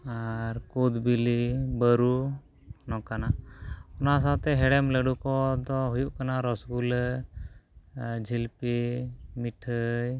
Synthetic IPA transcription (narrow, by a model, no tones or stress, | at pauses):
aɾkud̪bilibəɾu | nɔkanaɔnas̬at̪ɛɦɛɽɛmləɖukɔd̪ɔɦujuʔkanaɾɔsɡulə | d͡ʒʱilpimiʈʰəj